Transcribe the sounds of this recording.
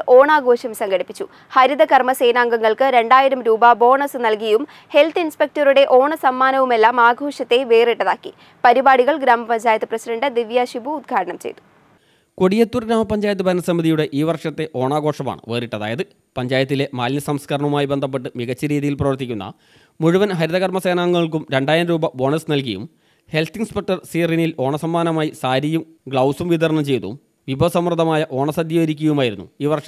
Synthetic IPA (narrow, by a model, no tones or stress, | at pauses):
o̞ːɳaːɡʱo̞ːɕɐmsɐŋɡɐɽipːit͡ɕːu | hɐɾid̪ɐkɐrmɐse̞ːnaːŋɡɐŋːɐɭkɨɾe̞ɳɖaːjiɾɐmɾuːbɐbo̞ːɳɐsɨnɐlkijjum | he̞lt̪ʰɨinspe̞k̚tɐruɽe̞ʔo̞ːɳɐsɐmːaːnɐʋume̞lːaːmaːɡʱoːʂɐt̪ːe̞ʋe̞ːriʈːɐðaːkːḭ | pɐɾibaːɽiɣɐɭɡɾaːmɐpɐɲd͡ʑaːjɐt̪ːɨprɐsiɖɐɳɖɨd̪iʋjaɕibuːd̪̚ɡʰʱaːɽɐɳɐmt͡ɕe̞̰jt̪u̥ | koɽijet̪ːurɡɾaːmɐpːɐɲd͡ʑaːjɐt̪̬ːɨbʱɐɐnɐsɐmːiðijuɽe̞ʔiːʋɐrʂɐt̪ːe̞ʔo̞ːɳaːɡo̞ːʂɐma̰ːɳɨ̰ʋe̞ːriʈːɐðaːjɐðɨ | pɐɲd͡ʑaːjɐt̪̬ːile̞maːlnɐsɐmskɐɾɐɳɐumaːjibend̪ʱɐp̬ːe̞ʈːɨmiɣɐt͡ɕːɐɾiːðijilprɐʋɐrt̪̬ikʲːunːɐ̰ | muɻuʋɐnɦɐɾiðɐɣɐrmɐse̞ːnaːŋːɐɐɭk̬umɾe̞ɳɖaːjɐnɾuːbɐbo̞ːnɐsnɐlk̬ɐjṵm | he̞lt̪iŋɡspɐʈːɐrsiːrinilo̞ːɳɐsɐmːaːnɐmaːjisaːɾijum | ɡɭɐwsumʋiðɐɾɐɳɐmt͡ɕe̞jt̪ṵṵm | ʋibʱɐsɐmrɨd̪ʱɐmaːjɐʔo̞ːɳɐsɐd̪jɐʋɐɾikʲːuɣɐjumaːjiɾunːṵiːʋɐrʂɐ